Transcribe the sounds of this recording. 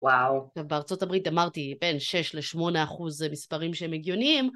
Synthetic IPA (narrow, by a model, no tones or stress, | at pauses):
wawʃavbeaʁt͡so̞tabʁitamaʁtibe̞nʃe̞ʃleʃmo̞neaχuzmispaʁimʃeemeɡjo̞niim